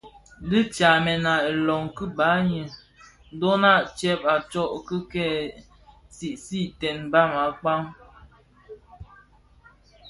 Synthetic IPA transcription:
li˦t͡ʃa˨mɛ˨na˨e˨lɔ˨ŋkə˦ba˨˦ɲə˨ | n˦dɔ˦na˦˨ʔt͡ʃɛ˦p̚a˨t͡ʃɔ˦˨ʔkə˦kɛ˦˨ | ti˨ʔsi˦˨tɛ˨nba˦ma˨k͡pa˦ŋ

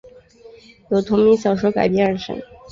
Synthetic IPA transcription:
jo˨˩ʊt̪ʰʊ˧˥ŋmi˧˥ŋɕjɑ˨˩ʊʂo˥ʊka̰˨˩ɪpjɛ˧˥nɻə˧˥nʂə̰˧˥˦ŋ

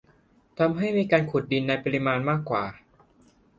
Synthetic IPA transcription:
t̪ʰa˧mɦa˥˩jmiː˧kaː˧nkʰu˨˩t̪̚di˧nːa˧jpa˧ɾi˧maː˧nmaː˥˩kːwaː˨˩

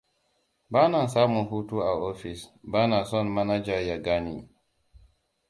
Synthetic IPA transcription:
baː˦na˨nsaː˦mu˨nɦu˦tu˦a˨ʔo˦fi˨sbaː˦na˨sɔ˦nma˦na˦d͡ʒa˨ɾja˨ɡa˦nḭ˦

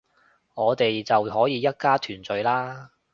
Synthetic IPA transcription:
ŋɔː˨˧t̪e˨jt͡sɐ˨wɦɔː˨˥jiː˨˧jɐ˥t̚kaː˥t̪ʰyː˨˩nt͡sɵ˨˧ɥlaː˥

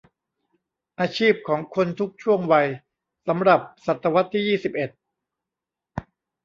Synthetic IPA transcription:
ʔaː˧t͡ɕʰiː˥˩p̚kʰɔː˩˦ŋkʰo˧nt̪ʰu˦˥k̚t͡ɕʰu˥˩əŋwa˧j | sa˩˦mɾa˨˩p̚sa˨˩t̪ːa˧wa˦˥t̪ʰːiː˥˩jiː˥˩si˨˩p̚ʔe˨˩t̪̚

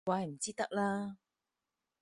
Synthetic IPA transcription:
waː˧jm̩˨˩t͡siː˥t̪ɐ˥k̚laː˥

